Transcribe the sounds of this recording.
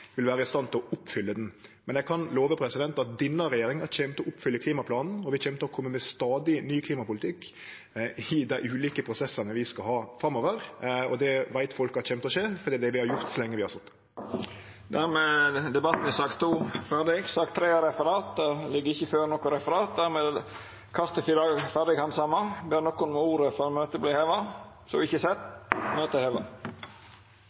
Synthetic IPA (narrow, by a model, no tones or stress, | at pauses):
ʋɪlʋæːɾəɪst̪ɑnt̪ʰɪlɔʔʊpːfʏlːəd̪ɛnmɛnjɛɡ̚kʰɑnloːʋəpʰɾɛsɪd̪ɛnt̪ɑt̪̚d̪ɪnːɑɾɛjeːɾɪŋɑɕɛmt̪əɔʔʊpːfʏlːəkliːmɑpʰlɑːnn̩ɔʋɪçɛmt̪əɔkʰɔmːəmɛst̪ɑːd̪ɪnyːkʰliːmɑpʊlɪt̪ʰɪkː | ɪd̪æɪʔʉːliːkəpʰɾʊsɛsːənəʋɪskɑhɑːfʁɑmːoːʋəɾɔd̪ɛʋæɪt̪fɔlkəhɑɕɛmt̪əɔɕeːfɔɾd̪iːd̪ɛʋɪhɑɾjʊɾt̪sɔlɛŋːəʋɪhɑɾsɔt̪ː | d̪æɾmeːd̪ɛbɑt̪ːn̩ɪsɑkt̪ʰːuːfæʁɖɪɡsɑkt̪ʰːɾeːəɾɛfəɾɑːt̪̚d̪ɛlɪɡːəɾɪçːəføːɾnɔkːʊɾɛfəɾɑːt̪̚d̪æɾmeːd̪ | kʰɑst̪əfɪlɑɡfæʁɖ̪ɪɡhɑnsɑmːɑbeːnɔkːʊnmuːɾəfɔɾɔmøːt̪əbliːheːʋɑ | sɔɪçːəsɛt̪ːmøːt̪əheːʋɑ